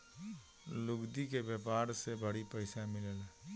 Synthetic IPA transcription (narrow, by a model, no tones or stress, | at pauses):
lʊɡd̪ikebjeːpaːɾsebəɽipəɪsamɪləlɛ